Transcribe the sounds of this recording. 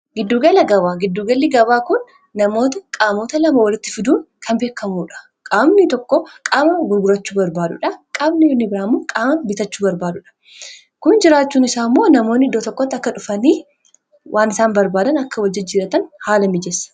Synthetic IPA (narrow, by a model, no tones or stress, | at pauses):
ɡɪd̪ːuːɡɐlɐɡɐbaːɡɪd̪ːuːɡɐlːiɡɐbaːkʊnː | ɐmo̞ːt̪ɐkʼaːmo̞ːt̪ɐlɐmɐwɐlɪt̪ːɪfɪd̪uːnkʰɐnbeːkːɐmuːᶑɐ̥ | kʼaːmnit̪ɔkːɔkʼaːmɐɡʊɾɡʊɾɐt͡ʃːuːbɐɾbaːd̪ʊ̰ᶑɐkʼaːbnɪnːɪbɪɾaːmːʊkʼaːmɐnbɪt̪ɐt͡ʃːuːbɐɾbaːd̪ʊᶑɐ̥ | kʊnd͡ʒɪɾaːt͡ʃːuːnɪsaːmːoːnɐmo̞ːnːɪd̪ːoːt̪ɔkːɔt̪ːɐkːɐᶑʊfɐniː | wʔaːnɪsaːnbɐɾbaːd̪ɐnɐkːɐwɐld͡ʒɪt̪̚d͡ʒiːɾɐt̪ɐnhaːlɐmɪd͡ʒɛsɐ̥